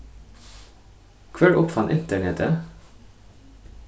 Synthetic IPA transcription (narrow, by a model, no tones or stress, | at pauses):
kʰʋɛɽʔʊpfɑnʔɪ̰nt̪əɳɛt̪ʰə